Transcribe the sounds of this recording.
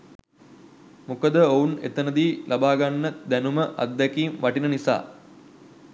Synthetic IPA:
mukəd̪əounḛt̪ənəd̪iːlʔabaːɡanːəd̪ænuməʔa̰d̪ːɛkiːmʋaʈinənisa̰ː

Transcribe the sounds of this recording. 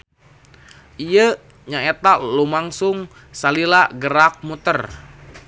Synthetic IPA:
ʔijə | ɲaet̪alumaŋsʊŋ | salilaɡəɾak̚mut̪ər

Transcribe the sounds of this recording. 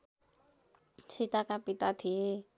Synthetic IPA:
t͡ʃʰit̪akapit̪at̪ʰie

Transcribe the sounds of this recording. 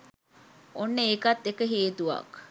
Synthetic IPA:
onːəekat̪ːekəɦeːt̪uʋɐ̰k

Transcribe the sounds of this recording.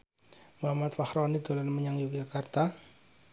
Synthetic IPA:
muɦamat̪fahɾɔnid̪o̤lanməɲaŋjukd͡ʒakart̪a

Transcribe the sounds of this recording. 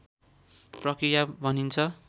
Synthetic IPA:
prʌkɾijabʱʌnint͡sʰʌ

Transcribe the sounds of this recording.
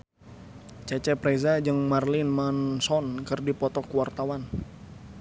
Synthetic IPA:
t͡ʃat͡ʃɛpɾɛzad͡ʒəŋmarlɪnmansɔnkərdipɔt̪ɔkwart̪awan

